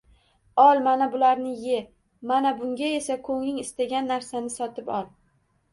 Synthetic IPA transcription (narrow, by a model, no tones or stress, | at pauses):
ɒlˠmanabʊlaɾnɪje̞ | manabʊŋɡʲae̞sakʰɵŋnɪŋɪst̪aɡʲanːaɾsanɪsɒt̪ʰɪpɒlˠ